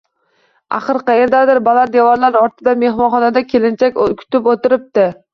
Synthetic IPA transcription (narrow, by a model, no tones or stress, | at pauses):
a̰χɨɾqʰɑjeɾd̪ad̪ɪɾbalaɾd̪evɒɾlaɾɒɾt̪ʰɪd̪ame̞hmɒnχɒnad̪akʲʰelɪnt͡ʃʰakʲkʲʰʊ̥t̪ɪpot̪ɪɾɪp̚t̪ɪ